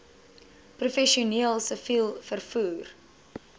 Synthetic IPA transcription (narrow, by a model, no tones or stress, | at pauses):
prufɛʃiuniəlˠsəfilˠfərfuːr